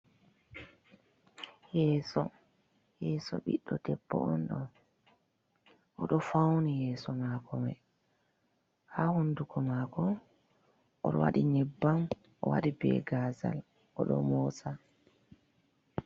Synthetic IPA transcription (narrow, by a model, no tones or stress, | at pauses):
jɛːsɔ | jɛːsɔ̰ɓiɗːɔdɛbːɔ̰ɔnɗɔn | ʔɔɗɔfawnijɛːsɔmakʰɔmɛ | hahundukɔmakɔ | ʔɔɗɔwaɗinɛbːam | ʔɔwa̰ɗibɛ̰ɡaːza̰l | ʔɔɗɔ̰mɔsa